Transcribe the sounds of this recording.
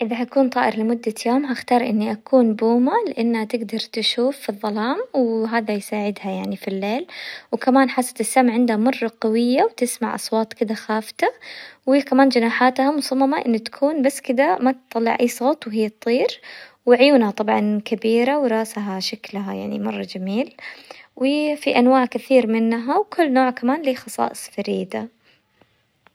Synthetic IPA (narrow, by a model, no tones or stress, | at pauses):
ʔɪðaɦakuːnt̪ˤɑːʔɪɾlɪmʊd̪ːajoːmɦaxt̪ɑːɾˤʔɪnːiʔakuːnbuːmalɪʔanːhat̪ɪɡd̪ɑɾˤt̪ʃuːfːiðˤːɑlɑːmwɦaːðajsaːʕɪd̪hajaʕnifilːeːlwkamaːnħasːḁt̪ɪsːamʕɪnd̪hamɑrˤːɑqɑwɪjːawt̪ɪsma̰ʕʔɑ̰sˤwɑːt̪ˤkɪd̪axaːft̪awikamaːnd͡ʒɪnaːħaːt̪hamʊsɑmːɑmaʔɪ̰nːat̪ḁkʰuːnbasːkɪd̪amat̪t̪ˤɑlːɪ̰ʕʔajːsˤɑːt̪ˤwɦɪjːɑt̪ˤːiːɾwɪʕʊjuːnhat̪ˤɑbʕɑnkabiːɾawɾˤɑːsɦaʃaklɦaja̰ʕnḭmɑrˤːɑd͡ʒamiːlwɪfiʔanwaːʕkɪθiːɾmɪnːɦawkʰʊlːnoːʕkamaːnlixɑsˤɑ̰ːʔɨsˤfaɾiːd̪a